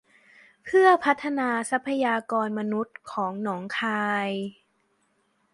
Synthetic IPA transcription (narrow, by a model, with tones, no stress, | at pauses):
pʰɯ˥˩ɐpʰa˦˥t̪ʰːa˧naː˧sa˦˥pʰːa˧jaː˧kɔː˧nma˧nu˦˥t̪̚kʰɔː˩˦ŋnɔː˩˦ŋkʰaː˧j